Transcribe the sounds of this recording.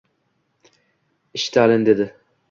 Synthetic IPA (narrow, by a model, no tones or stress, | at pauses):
iʃt̪ʰaːlɪnd̪ed̪ɪ